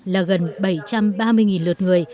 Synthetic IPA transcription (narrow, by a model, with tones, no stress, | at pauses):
laː˨˩ɣə˨˩nɓə˧˩jt͡ɕa˧mɓaː˧mɨ˧əjŋi˨˩nlɨ˨˩ət̚ŋɨ˨˩əj